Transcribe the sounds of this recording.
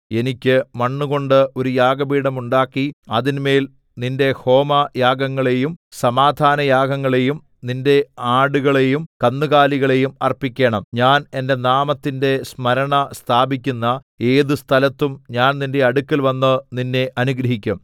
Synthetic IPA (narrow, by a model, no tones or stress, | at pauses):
e̞nikʲːɨmɐɳːuɣo̞ɳɖɨo̞ɾujaːɡɐbiːɽɐmuɳɖaːkːiɐðinme̞ːl | ninde̞ho̞ːmɐjaːɡɐŋːɐɭe̞jumsɐmaːd̪ʱaːnɐjaːɡɐŋːɐɭe̞jum | ninde̞aːɽuɣɐɭe̞jumkɐnːuɣaːliɣɐɭe̞jumɐ̰rpːikʲːe̞ːɳɐmɲaːne̞nde̞naːmɐt̪ːinde̞smɐɾɐɳɐst̪ʰaːbikʲːunːɐ | e̞ːðɨst̪ʰɐlɐt̪ːumɲaːnninde̞ɐɽukːɐlʋɐnːɨninːe̞ʔɐnuɡɾɐɦikʲːum